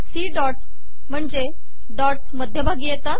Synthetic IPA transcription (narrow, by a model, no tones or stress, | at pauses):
siːɖɔʈs | m̤əɳd͡ʑe | ɖɔʈsməd̪ʱjəbʱaɡijet̪a